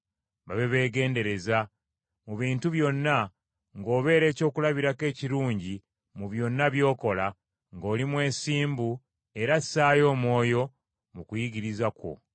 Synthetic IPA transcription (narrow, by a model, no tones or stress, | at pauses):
βaβe̞βe̞ːɡe̞ːnde̞ɾe̞za | muβiːntuβjo̞nːa | ŋɡo̞ːβe̞ːɾe̞ːco̞ːkulaβiɾake̞ːciɾuːɲɟi | muβjo̞nːaβjo̞ːko̞la | ŋɡo̞ːlimwe̞ːsiːmbu | e̞ɾasaːjo̞ːmwo̞ːjo̞ | mukujiɡiɾizako̞̰